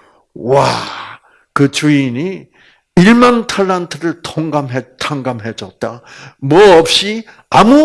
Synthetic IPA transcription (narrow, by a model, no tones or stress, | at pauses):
wa | kɯt͡ɕuini | iɭmantʰaɭːantʰɯɾɯɭtʰoŋɡamɦetʰaŋɡamɦed͡ʑʌt̚t͈a | mwʌʌp̚ɕ͈i | amu